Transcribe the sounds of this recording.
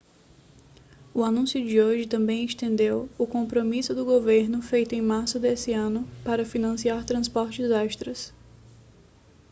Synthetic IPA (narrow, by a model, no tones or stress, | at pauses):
ʊanũsjʊd͡ʒɪoʒɪt̪ɐ̃mbẽj̃ɪʃt̪ẽnd̪ewʊkõmpɾomisʊd̪ʊɡoveɾnʊfejt̪ʊẽj̃maɾsʊd̪esɪɐ̃nʊpaɾɐfinɐ̃siaɾt̪ɾɐ̃spɔɾt͡ʃɪzɛʃt̪ɾɐs